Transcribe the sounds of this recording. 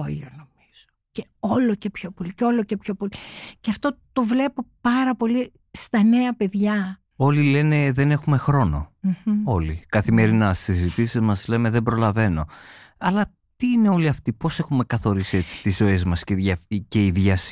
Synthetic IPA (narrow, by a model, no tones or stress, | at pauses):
o̰o̰nomiz̥oce | o̞lo̞ce̞pço̞policeo̞loce̞pço̞policeɐft̪o̞t̪o̞vle̞po̞pɐɾɐpo̞li | st̪ɐne̞ɐpe̞ðʝɐ | o̞lile̞ne̞ðe̞ne̞xume̞xɾo̞no̞̰o̞likɐθime̞ɾinɐsizit̪isizmɐzle̞me̞ðembɾo̞lɐve̞no̞ɐlɐ | t̪iːne̞o̞liɐft̪ipo̞se̞xume̞kɐθo̞ɾisie̞t͡si̥t̪izo̞ezmɐsceʝɐfice̞iðʝɐs